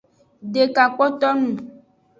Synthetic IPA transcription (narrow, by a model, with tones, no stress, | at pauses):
ɖe˨ka˨k͡pɔ˦t̪ɔ˦nũ˨